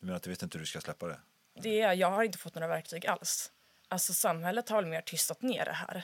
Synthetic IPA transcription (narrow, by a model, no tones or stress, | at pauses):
d̪̥ɵmeːnɾat̪ɵveːt̪ɪnt̪əhɵd̪ʉskaslɛpːad̪ɛ̰ | d̪ɛæjɑːɡhaɾɪnt̪əfɔt̪ːnoːɾavæɾk̚t̪ʰyːɡa̰ls | ʔalt̪sɔsamɦɛlːət̪haɾvɛlmeːʈʰʏst̪at̪nḛːɖɛ̰ɦæ̰ːɾ